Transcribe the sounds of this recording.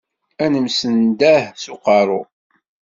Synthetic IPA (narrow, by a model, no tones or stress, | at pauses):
ænəmsənd̪æhsʊqɑɾˤʊ